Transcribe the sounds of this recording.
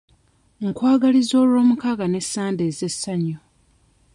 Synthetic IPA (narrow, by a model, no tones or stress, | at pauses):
ŋkwaːɡalizo̞ːlwo̞ːmukaɡane̞sːaːnde̞ːze̞sːaɲːo